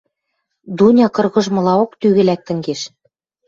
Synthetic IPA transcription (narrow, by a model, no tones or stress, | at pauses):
d̪unʲɑkɤ̆rɣɤ̆ʒmɤ̆lɑokt̪yɣɘ̆læk̚t̪ɘ̆ŋɡeʃ